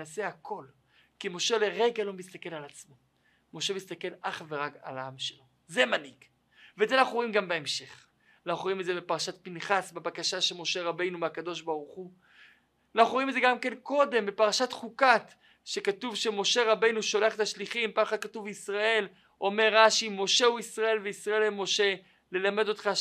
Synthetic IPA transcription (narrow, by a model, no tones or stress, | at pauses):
ase̞akʰo̞l | kimo̞ʃe̞le̞ʁe̞ɡalo̞mist̪ake̞lalat͡smo̞ | mo̞ʃe̞mist̪ake̞laχve̞ʁaka̰laamʃelo̞ | ze̞maniɡ | vezenaχuʁoimɡambeemʃe̞χ | naχʁoimezebepaʁaʃat̪̚pinχasbebakaʃaʃemo̞ʃe̞ʁabe̞jnumeakad̪o̞ʃbaʁuχu | naχʁoimezeɡamke̞nko̞d̪e̞mbepaʁaʃat̪χukat | ʃe̞katuvʃemo̞ʃe̞ʁabe̞jnuʃo̞leaχetaʃliχimpaχad̪̚katuvisʁae̞l | ʔo̞me̞ʁːaʃimo̞ʃe̞uisʁae̞lveisʁaelemo̞ʃe̞ | le̞lame̞do̞t̪χa